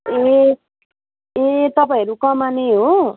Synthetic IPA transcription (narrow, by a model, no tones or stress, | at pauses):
e | et̪ʌpaĩɦʌɾukʌmaneɦo